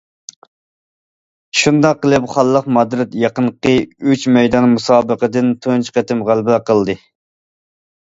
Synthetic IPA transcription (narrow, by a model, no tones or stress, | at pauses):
ʃund̪ɑqːəlˠɨpχɑlˠːəqmɑd̪ɾɪt̪jɑqənqəyt͡ʃmɛjd̪ɑnmusɑːbəqəd̪ɪnt̪ʰont͡ʃqɛt̪ɪmʁælbqʰəlˠd̪ɨ